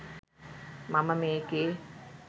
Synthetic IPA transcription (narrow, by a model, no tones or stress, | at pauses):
maməmeːke